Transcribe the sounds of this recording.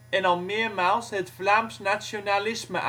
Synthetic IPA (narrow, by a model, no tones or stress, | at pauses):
ɛnɑlˠmɪərmaːlˠsətflaːmsnasjonalɪsmə̰ʔ